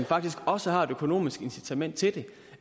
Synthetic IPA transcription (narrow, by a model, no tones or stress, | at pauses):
nfɑ̈ɡ̥̚d̥isɡ̥ɒ̽səhɑ̈e̝d̥økʰo̝no̝̰ːmisɡ̥e̝nsi̥t͡sʰæmen̰d̥̚t͡sʰe̝ld̥e̝